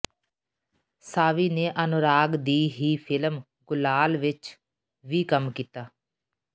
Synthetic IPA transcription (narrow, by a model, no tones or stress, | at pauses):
saːʋiːneːʔənʊɾaːɡd̪iːɦiːpʰɪləm | ɡʊlaːlʋɪt͡ʃ | ʋiːkəmkiːt̪aː